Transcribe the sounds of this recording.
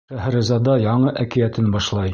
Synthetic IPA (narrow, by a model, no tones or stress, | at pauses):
ʃæɦæ̆ɾɘ̆zɑd̪ɑjɑɴɤʔækɘ̆jæt̪ɘnbɑʃlˠɑj